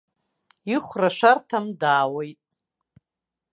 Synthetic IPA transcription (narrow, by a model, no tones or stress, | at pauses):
iχʷraʂʷartʰamdaːwojtʼ